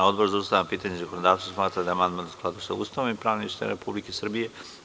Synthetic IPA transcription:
aod̪boɾzaust̪avampit̪aɲezakonod̪avt̪osmat̪ɾad̪aamand̪mant̪osklˠad̪uʃt̪ɛust̪avaipɾavniuʃt̪ɛ̰n̰ɾepublikisr̩bijɛ

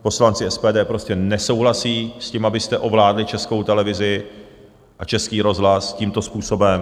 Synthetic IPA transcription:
po̞slant͡sɪɛspɛːdɛːpɾoscɛnɛso̞wɦlasiːsciːmabɪst̪ɛʔo̞vlaːdlɪt͡ʃɛsko̞wt̪ɛlɛvɪzɪ | ʔat͡ʃɛskiːɾo̞zɦlasciːmt̪o̞spuːso̞bɛm

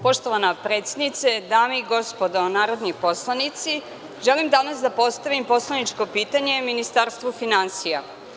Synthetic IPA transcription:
po̞ʃt̪o̞ʋanapɾe̞ːt̪sʲje̞d̪nit̪se̞d̪aːmeiɡo̞spo̞d̪onaːɾo̞d̪nipo̞slˠanit̪si | ʒelimd̪anasd̪apo̞st̪aʋimpo̞slˠanit͡ʃko̞piːt̪aɲe̞minist̪aɾst̪ʋufinansija

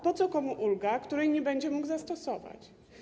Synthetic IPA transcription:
pɔt̪sɔkɔmuʔulɡakt̪uɾɛjɲɛbɛɲd͡ʑɛmuɡzast̪ɔsɔva̰t͡ɕ

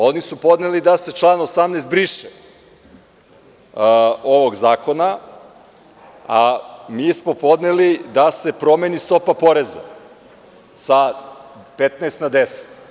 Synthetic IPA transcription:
o̞nisupo̞d̪nelid̪ase̞t͡ʃlˠaːnosamneːst̪̚bɾiːʃe | o̞ʋoɡzaːko̞na | amiːsmo̞po̞d̪nelid̪ase̞pɾo̞menist̪o̞papo̞ɾeza̰ | sa | pet̪neːst̪nad̪ese̥t̪

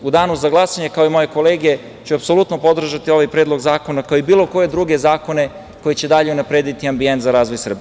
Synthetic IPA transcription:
ud̪aːnuzaɡlˠasaɲekaoimo̞je̞ko̞leːɡe | t͡ɕuapso̞lut̪nopo̞d̪r̩ʒat̪io̞ʋajpɾe̞ːd̪lˠo̞ɡzaːko̞nakaoibiːlˠo̞ko̞je̞d̪ɾuɡe̞zaːko̞ne̞ | ko̞jet͡ɕe̞d̪aʎe̞unapɾe̞ːd̪it̪iambient̪zaɾaːzʋo̞jsr̩bi

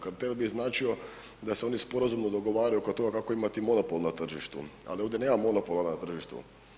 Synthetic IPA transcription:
kaɾt̪elbiznaːt͡ʃio̞ | d̪aseo̞nispo̞ɾazumnod̪o̞ɡo̞ʋaːɾajukot̪o̞ɡakako̞imat̪imo̞nopolˠnat̪r̩ʒiʃt̪ṵa̰lio̞ʋd̪ʲeneːmamo̞nopolˠanat̪r̩ʒiʃt̪ṵ

